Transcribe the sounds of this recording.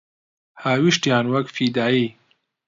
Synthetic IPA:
haːwiʃtjaːnwɐkfiːd̪aːiː

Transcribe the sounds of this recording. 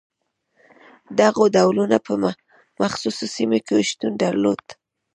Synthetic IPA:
d̪aɣod̪awlunapəm | maxsusosimokeʃt̪unɖaɾlod̪̥

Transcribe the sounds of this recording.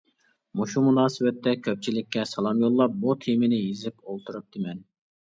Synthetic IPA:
muʃumunɑːsɨbɛt̪ːɛkʲʰøp̚t͡ʃʰilɪkʲːɛsɑlˠɑmjolˠːɑp̚but̪ʰimɪnɪjizɪpolˠt̪ʰuɾɨp̚d̪ɪmɛn

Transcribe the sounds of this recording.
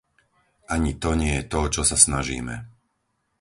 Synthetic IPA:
ʔaɲit̪ɔɲɪɛjɛt̪ɔt͡ʃɔsasnaʒḭːmɛ̰

